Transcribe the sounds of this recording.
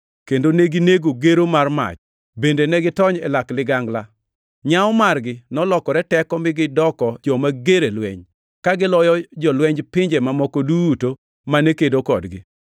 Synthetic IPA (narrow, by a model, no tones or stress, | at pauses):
kendoneɡineɡoɡeɾomarma̰t͡ʃ | bendenɛɡɪtɔɲɛlaklɪɡaŋɡla | ɲaɔmarɡɪnɔlɔkɔɾɛtɛkɔmɪɡɪdɔkɔd͡ʒɔmaɡeɾelwɛɲ | kaɡɪlɔjɔd͡ʒɔlwɛɲd͡ʒpɪɲd͡ʒemamɔkoduto | manekedokɔdɡɪ̰